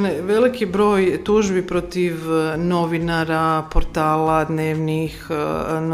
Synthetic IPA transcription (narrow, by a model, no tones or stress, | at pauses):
neʋe̞likibɾo̞ːjt̪uʒbipɾo̞t̪iʋno̞ʋinaɾapoɾt̪aːlad̪neːʋnixn